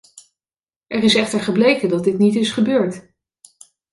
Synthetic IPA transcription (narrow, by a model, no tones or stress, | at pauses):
ʔɛrɪsɛχtəɹχəblejkədɑt̚dɪtnitɪsχəbøːɹt